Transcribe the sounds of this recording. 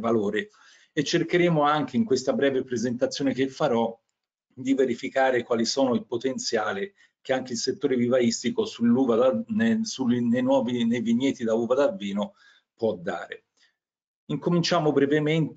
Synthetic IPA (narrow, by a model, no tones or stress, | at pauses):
valoːɾe | et͡ʃːerkeɾeːmoaŋk̟eiŋkwest̪abɾɛːvepɾezent̪at̪sːjoːnekefːaɾɔ | d̪iveɾifikaːɾekwaːlisoːnoilpot̪ent̪sjaːli | k̟eaŋkeilset̪ːoːɾevivaist̪ikosulːuvad̪ansunejnwɔːvinejviɲːɛːt̪id̪auːvad̪avːiːno | pwɔd̪ːa̰ːɾḛ | iŋkomint͡ʃaːmobɾɛvement̪